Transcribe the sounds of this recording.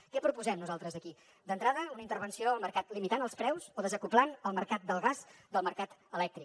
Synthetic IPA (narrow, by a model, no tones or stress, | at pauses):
kɛpɾupuzɛmnuzalˠt̪ɾəzðəki | d̪ənt̪ɾaðəunəint̪əɾβənsioəlˠməɾkat̪limit̪anəlˠspɾɛwzoðəzəkuplanəlˠməɾkat̪̚d̪əlˠɣazd̪əlˠməɾkat̪əlɛk̚t̪ɾik